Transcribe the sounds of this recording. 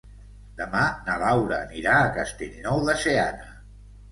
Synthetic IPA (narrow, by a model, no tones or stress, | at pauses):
d̪̥əmanəβawɾəniɾaːkəst̪eʎnɔwðəseanə